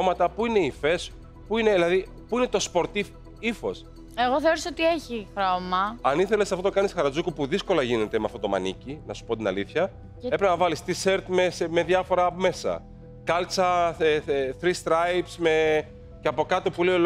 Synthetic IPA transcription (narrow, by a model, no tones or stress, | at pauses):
mɐt̪ɐpuine̞ife̞s | puine̞ðilɐði | puine̞t̪o̞spo̞ɾt̪if | ifo̞̰s | eɣoθeoɾesot̪ieçixɾomɐɐniθe̞lesɐft̪ot̪o̞kɐnisxɐɾɐd͡zukupuðisko̞lɐʝine̞t̪e̞meɐft̪o̞t̪o̞mɐ̰nḭcinɐsu̥po̞t̪inɐ̰liθçɐ | epɾeznɐvɐlist̪ise̞ɾt̪mesme̞ðjɐfo̞ɾɐme̞sɐ̰ | kɐlt͡sɐ | θɾist̪ɾɐjpsme̞ | ceɐpo̞kɐt̪opuleo